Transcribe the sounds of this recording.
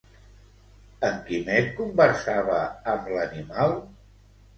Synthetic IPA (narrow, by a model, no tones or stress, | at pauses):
əŋkimet̪kumbəɾsaβəːmblənimalˠ